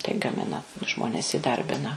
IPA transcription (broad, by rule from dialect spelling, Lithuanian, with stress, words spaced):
tɐɪ ɡɐˈmʲɪnɐ ˈʒmoːnʲɛs iːˈdɐrʲbʲɪnɐ